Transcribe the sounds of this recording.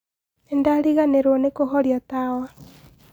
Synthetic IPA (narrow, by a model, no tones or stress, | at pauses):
endaɾiɣaneɾwonekoɦɔɾjatawa